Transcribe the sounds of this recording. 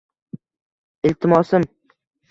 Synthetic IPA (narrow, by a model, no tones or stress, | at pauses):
ɪlt̪ʰɪmɒsɪm